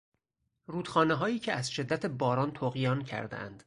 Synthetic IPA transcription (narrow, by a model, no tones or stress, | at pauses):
ruːd̪̥xɒːneɦɒːjiːcʰeæzʃe̞d̪ːæt̪ʰe̞bɒːɾɒːnt̪ʰoːɣijɒːncʰæ̰ɾd̪ḛʔæ̰nd̪̥